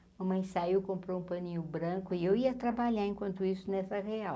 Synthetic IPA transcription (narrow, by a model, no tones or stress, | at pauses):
umɐmɐ̃j̃saiwkõmpɾoũpɐ̃nĩɲʊbɾɐ̃kʊɪewiɐt̪ɾabaʎaẽkwɐ̃nt̪ʊisʊnɛsɐʁeaw